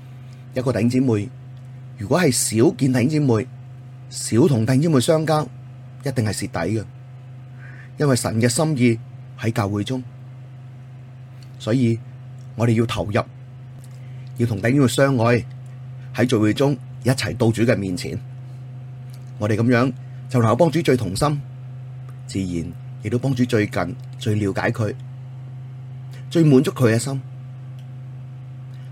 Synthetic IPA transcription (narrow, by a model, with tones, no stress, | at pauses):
jɐ˥t̚kɔ˧ɐ˨jhɪ˥ŋt͡si˨˥muː˨˩j | jyː˨kʷwɔː˨˥hɐ˨jsiː˨˥wkiː˧nt̪ɐ˨jhɪ˥ŋt͡si˨˥muː˨j | siː˨˥wt̪ʰʊ˨ŋt̪ɐ˨jhɪ˥ŋt͡si˨˥mu˨jsœː˥ŋkaː˥w | jɐ˥t̚t̪ɪ˨ŋhɐ˨jsiː˨t̪ɐ̰˨˥jkɛ˧ | jɐ˥nwɐ˨jsɐ̰˨˩nkɛː˧sɐ˥mjiː˧ | hɐ˨˥jkaː˧wuː˨˥jt͡sʊ˥ŋ | sɔː˨˥jiː˧ | ŋɔː˨˧ɾe˨jiː˧wt̪ʰɐ˨˩wjɐ˨p̚ | jiː˧t̪ʰʊ˨ŋt̪ɐ˨˧˥jy˥ŋ˨sœː˥ŋːɔː˨˧j | hɐ˨˥jt͡ʃɵ˨wu˨˧˥t͡sʊ˥ŋ | jɐ˥t̚t͡sʰɐ˨˩jt̪o˧wt͡syː˨˥kɛː˧miː˨˩nt͡sʰḭː˨˩n | ŋɔː˨˧ɾe˨jkɐ˨˥mjœː˨˥ŋ | t͡sɐ˨wn˨˩ŋ˨˧wpɔː˥ŋt͡ʃyː˨˥t͡ʃɵ˧t̪ʰʊ˨˩ŋsɐ˥m | t͡siː˨jiː˨˩n | jɪ˨k̚t̪o˥wpɔː˥ŋt͡ʃyː˨˥t͡ʃɵ˧ɥkɐ˨n | t͡ʃɵ˧ɥliː˨˧wkaː˨˥jkʰɵ˨˧ɥ | t͡ʃɵ˧ɥmuː˨˧nt͡sʊ˥kʰːɵ˨˧˥kɛː˧sɐ˥m